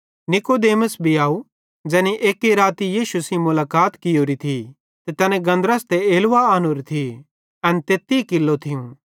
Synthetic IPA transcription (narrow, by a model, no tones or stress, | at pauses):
nɪkoːd̪eːməsbʱiaːu | d͡ʒɛːniʔeːkːeɾaːt̪ijiːʃusĩmʊlaːkaːt̪kɪjoːɾit̪ʰi | t̪et̪ɐnɛ̃ɡɐ̃nd̪ɾɐst̪eeːlʊʋaaːnoɾit̪ʰi | ɛnt̪eːt̪ːikɪlːot̪ʰɪjũ